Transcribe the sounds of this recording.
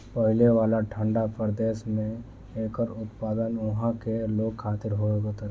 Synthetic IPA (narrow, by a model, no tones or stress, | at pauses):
pəɦɪleʋaːlaʈʰə̃ɳɖapəɾd̪eːʃmẽ | eːkəɾʊt̪paːd̪ənʊɦãkeloːɡ̚kʰːaːt̪ɪɾɦoɡot̪əɾ